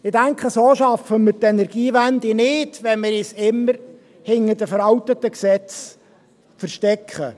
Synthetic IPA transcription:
ɪd̥æŋkχəsoːʃɑfəmɪɾtɛnɛɾɡ̥iːʋænd̪inɪdʋɛnmɪɾisɪmːəɾ | hɪnːədəfəɾɑwt̪ət̪əksɛt͡s | fəɾʃtɛkχə

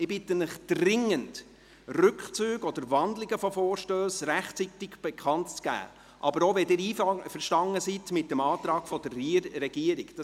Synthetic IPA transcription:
ɪbɪtːənəχd̥rɪŋənd | rʏkχt͡syːɡɔd̪əɾvɑndlɪɡəfɔfɔːɾʃtøːsræχtt͡sitɪɡb̥ɛkχɑntt͡sɡ̥æ̰ː | ʔɑbəɾoʋɛdɪːɾiːffəɾʃtɑŋəsitmɪt̚ːəmɑːt̪ɾɑːɡ̥fɔd̥əriːɛɡiəɾiɡ̥d̥ɑ

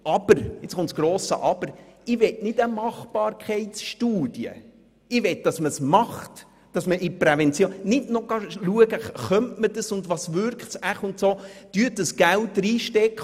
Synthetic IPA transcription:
ʔɑb̥əɾɪt͡sχʊntsɡ̥ɾoːsə̰ʔɑb̥əɾɪʋɛtnɪdəmɑχb̥ɑːɾkʰɛɪtsʃtuːd̥jə̰ | ɪʋɛt̚d̥ɑsməsmɑχt | d̥ɑsməʔɪprɛvɛnt͡sjoːnnɪdnɔɡ̥ɑluəɡəχœmtməd̥əsʊndʋɑsʋʏɾktsæχʊntsoːd̥yətdəsɡ̥ælt̚dɾiːʃtɛkχ

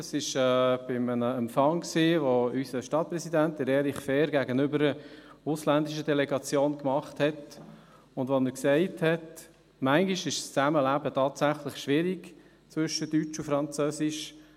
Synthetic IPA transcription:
ɑsɪʃɛːb̥ɪmənəɛmpfɑŋksiːvoysəʃtɑt̚pɾɛsidæntɪɾeːlɪχfɛːɾɡæɡənʏbəɾəʊslændiʃ̬ədɛlɛɡɑt͡sjoːnkmɑχthɛt | ʊndʋoməɾksɛɪthɛt | mæŋɡiʃɪʃst͡sæməlæbətʰɑːtsæχlɪχʃʋɪɾiɡ | t͡sʋʏʃədyt͡ʃufɾɑnt͡søːsɪʃ

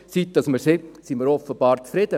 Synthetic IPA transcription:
siːt̚d̥ɑsməɾsesiməɾɔfəb̥ɑːɾt͡sfɾɪd̥ə

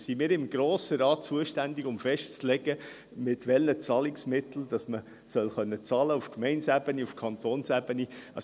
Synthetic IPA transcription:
simɪːɾɪmɡɾoːsəɾɑːt̚t͡suəʃtændiɡʊmfɛʃtt͡slɛɡə | mɪtʋɛlːət͡sɑlɪksmɪt̪l̩d̥̪ɑsmə | sœlχœnːət͡sɑːləufkmɛɪnsæb̥əniufkʰɑnt̪ʰoːnsæbəniɑ

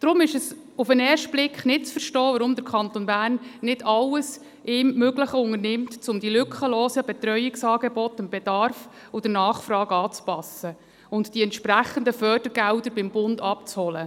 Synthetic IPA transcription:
d̥ɾʊmɪʃəs | ʊfənɛːɾʃtb̥lɪkχnɪt̚t͡sfəɾʃtɔːʋɑɾʊmd̪əɾkʰɑnt̪onbæːrnːɪd̥ɑlːəs | ʔɪːmːøɡləχəʊŋərnɪmtt͡sʊmd̥̪ilʏkχəloːsəbɛt̪ɾœʏɪksɑːɡɛbɔt̪əntb̥ɛd̥ɑrf | ʊd̥̪ənɑːχfrɑːɡɑːt͡spɑsə | ʊntd̥iɛntʃpɾæχənd̪əfœːrd̥əɾɡ̥ældəɾbɪmbʊndɑp̚t͡shɔlə

